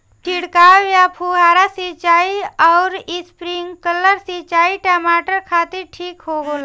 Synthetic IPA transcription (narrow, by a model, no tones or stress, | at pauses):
ʈʰiɽkaːʋjapʰuɦaːɾasit͡ʃaːiɔːɾɪspɾiŋkələɾsit͡ʃaːiʈaːmaːʈəɾkʰaːt̪iɾʈʰiːkɦoːɡol